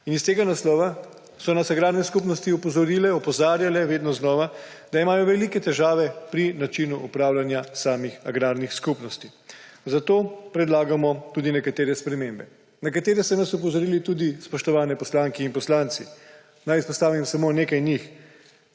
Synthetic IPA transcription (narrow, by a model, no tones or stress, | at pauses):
inist̪eːɡanaslɔːʋa | sɔnasaɡɾaːɾnɛskupnɔst̪iɔpɔzɔɾiːlɛɔpɔzaːɾjalɛʋeːd̪nɔznɔːʋa | d̪aimaːjɔʋɛlikɛt̪ɛʒaːʋɛpɾinat͡ʃinuʔupɾaːwlanjasaːmixaɡɾaːɾnixskupnɔst̪izat̪oːpɾɛd̪laːɡamɔt̪uːd̪inɛkat̪eːɾɛspɾɛmeːmbɛ | nakat̪eːɾɛsɛnasɔp̬ɔzɔɾiːlit̪ud̪ispɔʃt̪ɔʋaːnɛpɔslaːŋkɛinpɔslant̪si | najispɔst̪aːʋimsamoneːkajnix